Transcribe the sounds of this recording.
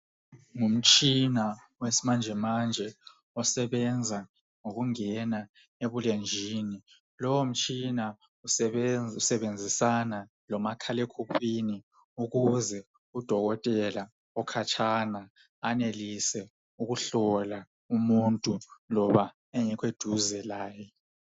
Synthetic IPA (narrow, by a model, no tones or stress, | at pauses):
ŋum̩t͡ʃʼina | wesimand͡ʒʱɛmand͡ʒʱɛ | ɔsɛβɛnd͡zʱa | ŋoɣuŋɛna | eβulend͡ʒʱiːni | lɔwom̩t͡ʃʼina | usɛusɛβend͡zʱisana | lɔmakʰalekʰupʰini | uɣuzɛ | ud̥ʱɔɣɔtʼɛla | ɔkʰat͡ʃʰʼana | anelisɛ | uɣuɬɔla | umuntʼulɔβa | eŋikʰwed̥ʱuzɛlaːjɛ